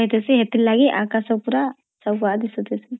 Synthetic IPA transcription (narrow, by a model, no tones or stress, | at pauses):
ɦet̪esiɦet̪ilːaɡiʔakasɔkpuɾa | sɐwad̪isut̪esi